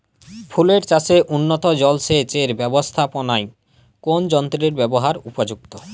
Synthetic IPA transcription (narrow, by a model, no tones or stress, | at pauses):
pʰuleɾt͡ɕaseʔunːot̪od͡ʑɔlʃet͡ɕeɾbɛbost̪ʰaponaj | kond͡ʑɔnt̪ɾeɾbɛboɦaɾupod͡ʑuk̚t̪o